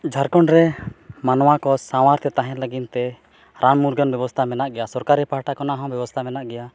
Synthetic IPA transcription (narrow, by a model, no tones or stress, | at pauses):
d͡ʒʱaɾkɔɳɾɛmanɔwakɔsawaɾt̪ʰɛt̪aɦɛ̃ləɡint̪ɛ | ɾammuɾɡənbjɛbɔst̪ʰamɛnaʔɡɛjasɔɾkaɾɛpaɦʈakɔnaɦɔ̃bjɛbɔst̪ʰamɛnaʔɡɛja